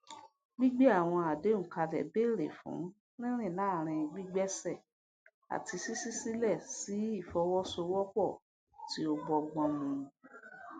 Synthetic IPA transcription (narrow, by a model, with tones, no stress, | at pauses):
ɡ͡bi˦ɡ͡bɛ˦a˦˨w̃ɔ̃˧a˨de˨˦ŋ̩˨ka˧lɛ̰˨be˦˨ɾḛ˨fṵ̃˨˦ | nĩ˦ɾ̃ĩ˦˨la˦˨ɾ̃ĩ˧ɡ͡bi˦ɡ͡bɛ˦sɛ˦˨ | a̰˨ti˧si˦si˦si˦lɛ˦˨si˨˦i˦˨fɔ˧wɔ˦so˧wɔ˦k͡pɔ˦˨ | ti˦o˧ɡ͡bɔ˧˨ɡ͡bɔ̃˧mũ˨ũ˨˧